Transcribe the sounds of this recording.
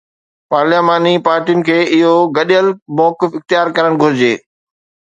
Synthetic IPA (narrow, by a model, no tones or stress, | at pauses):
paːɾlemaːnipaːɾʈijʊnɪ̆kʰeːʔɪɦoɡɐɗəlmɔːkɪfɪxt̪ɪjaːɾkɐɾəɽ̃ɡʱʊɾɪd͡ʑeː